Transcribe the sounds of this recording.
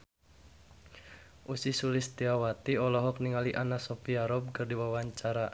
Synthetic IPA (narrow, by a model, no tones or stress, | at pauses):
ʔusisulɪst̪iawat̪iɔlɔɦɔkniŋaliʔanasɔpiaɾɔb̚kərdiwawaɲt͡ʃaɾa